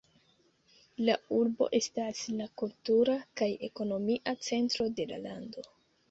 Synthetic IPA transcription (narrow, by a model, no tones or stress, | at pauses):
lauɾbo̞̰ʔe̞staslakultuɾakaje̞ko̞no̞miʔat͡se̞ntɾo̞de̞la̰lando̞